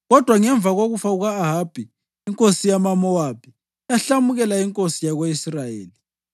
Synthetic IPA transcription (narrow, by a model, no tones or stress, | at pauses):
ɣɔd̥ʱwaŋɛɱb̪vʱaɣoɣufauɣaːɦab̥ʱi | iŋkʼosijamamɔwapʰi | jaɬamuɣɛlaiŋkʼosijaɣweisrajḛːli